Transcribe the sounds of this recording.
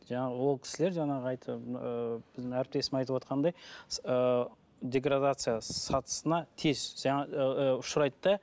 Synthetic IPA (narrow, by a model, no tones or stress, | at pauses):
ʒɑɴɑʁəwo̞lˠkʰʲɪ̥sɪle̞ɾʒɑɴɑʁəɑjt̪ʰəəb̥ɪzɪæɾɪp̚t̪e̞sɪmɑjt̪əpwo̞t̪̚qʰɑnd̪ɑjə | d̪ʲe̞ɡɾad̪at̪sɨjasɑt̪ʰə̥sənɑt̪ʰe̞zʒɑɴɑʊʃʊɾɑjt̪ːɑ